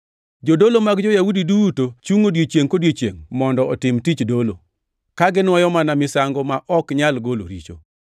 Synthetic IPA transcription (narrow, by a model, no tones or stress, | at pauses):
d͡ʒodolomaɡd͡ʒɔjaudidutot͡ʃuŋodjet͡ʃjeŋkodjet͡ʃjḛŋmɔndɔɔtɪmtit͡ʃdolo̰ | kaɡɪnwɔjɔmanamɪsaŋɡɔmaʔɔkɲalɡolo̰ɾḭt͡ʃo̰